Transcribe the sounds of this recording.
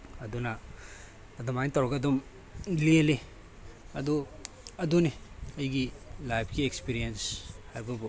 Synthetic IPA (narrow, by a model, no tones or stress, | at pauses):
ɐdunaː | dumajntawɾɐɡɐdum | lele | ɐdu | ɐduniɐjɡilajpʰkiekspiɾienshajbɐbu